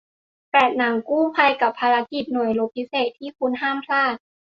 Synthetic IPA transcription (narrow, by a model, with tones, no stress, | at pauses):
pɛː˨˩t̪̚na˩˦ŋkuː˥˩pʰa˧jka˨˩pʰːaː˧ɾa˦˥ki˨˩t̪̚nu˨˩əjlo˦˥p̚pʰi˦˥seː˨˩t̪ʰːiː˥˩kʰu˧nɦaː˥˩mk̪ʰlaː˥˩t̪̚